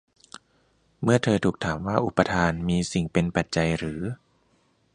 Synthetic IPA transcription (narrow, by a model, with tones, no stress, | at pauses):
mɯ˥˩ɐt̪ʰɤː˧t̪ʰuː˨˩k̚t̪ʰaː˩˦mwaː˥˩ʔu˨˩pːa˧t̪ʰaː˧nmiː˧si˨˩ŋpe˧npa˨˩t̪̚t͡ɕa˧jɾɯː˩˦